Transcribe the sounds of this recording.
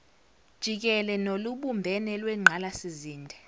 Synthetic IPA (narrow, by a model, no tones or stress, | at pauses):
d̥ʒ̥ʱik̬ɛlɛnoluɓumbʱɛnɛlwɛŋ͡ǃʱalasiziːndʱɛ